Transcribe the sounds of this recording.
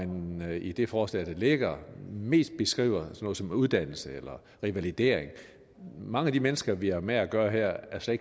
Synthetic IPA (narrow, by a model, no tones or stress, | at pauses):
ænid̥e̝fɒːslɛ̰ːd̥ɑle̝ɡ̥ɐme̝̰ːsd̥̚b̥e̝sɡ̥ʁḭːʊ̰ɐsɒnɔ̽ð̩ˠsɒ̽muð̞ˠd̥æn̰l̩səelɐ | ʁiʋælid̥e̝̰ːɐeŋ | mɑ̈ŋəæd̥imenəsɡ̥ɐʋiæɐmeæɡ̥ɶːɐɦɛɐ̰æɐsle